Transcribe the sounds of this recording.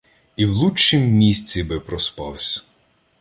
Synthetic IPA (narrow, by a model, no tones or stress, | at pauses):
iwlˠut͡ʃːɪmːʲisʲt͡sʲibɪpɾɔspɑwsʲɐ̥